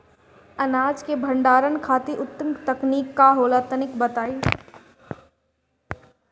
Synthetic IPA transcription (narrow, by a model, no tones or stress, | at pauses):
ɐnaːd͡ʒkebʱɐ̃ɳɖaːɾənkʰaːt̪iʔʊt̪ːəmt̪ɐkniːkːaɦoːlat̪ənɪkbɐt̪aːi